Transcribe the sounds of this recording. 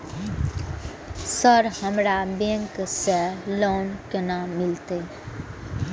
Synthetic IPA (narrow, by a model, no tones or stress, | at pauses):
səɾhəmɾabẽŋkselɔːnkenamɪlt̪e